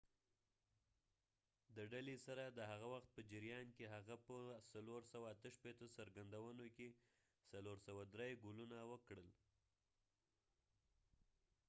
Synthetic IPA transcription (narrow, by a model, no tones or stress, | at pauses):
d̪əɖalesaɾad̪əɦaɣawaxt̪̚pəd͡ʒɪɾijɑnkeɦaɣapəsaloɾsawaːt̪əʃpet̪osaɾɡand̪awənoke | saloɾsawad̪ɾejɡulunawəkɽəl